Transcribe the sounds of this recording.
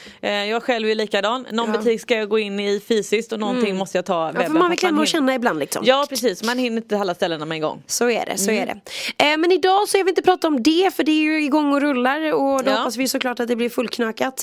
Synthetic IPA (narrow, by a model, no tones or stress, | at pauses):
jɑːɡɧɛlvɛjəliːkad̪ɑːnːɔnbət̪ʰiːkskajɑɡoːɪnːɪfyːsɪsk̚t̪ɔnɔnt̪ɪŋmɔst̪əjat̪ʰɑːvɛbfmanvɪlklɛnːaɔɕɛnːaɪbland̪lɪksɔ̰mjɑːpʰɾɛsiːsɔmanhɪnːəɾɪnt̪əalːast̪ɛlːənamɛɪɡɔ̰ŋːsɔæ̰ɖɛ̰sɔæ̰ɖɛ̰mɛnɪd̪ɑːsɔkavɪɪnt̪əpɾɑːt̪aɔmd̪ɛfœɖɛæɾjɵɪɡɔŋːɔɾɵlːaɾɔd̪hɔpːasvɪjɵsɔkʰlɑːʈat̪̚d̪ɛblɪɾfɵlkʰnɑkat̪